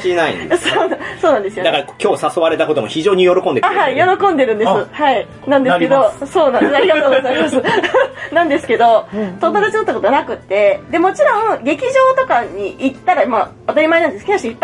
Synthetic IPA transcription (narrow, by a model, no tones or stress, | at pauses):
inaḭsoːnaso̞ːnãnd̪esɨod̪akaɾakʲo̞ːsaso̞βaɾe̞t̪akot̪o̞moçiʑo̞ːɲ̟ijo̞ɾo̞kond̪eahaijo̞ɾo̞kõ̞nd̪e̞ɾɯ̟̃nd̪essɨhai | nãnd̪esked̪oso̞ːnãnd̪esaɾʲiɡat̪oːɡoozaimasɨnãnd̪e̞sɨ̥ke̞d̪o̞t̪o̞mod̪at͡ɕiot̪ːako̞t̪onakɯ̟t̪ːe̞d̪e̞mo̞t͡ɕiɾõ̞ŋ̃ɡe̞kʲiʑo̞ːt̪o̞kaɲiit̪ːaɾaima | at̪aɾʲimainãnd̪eskioɕiipːa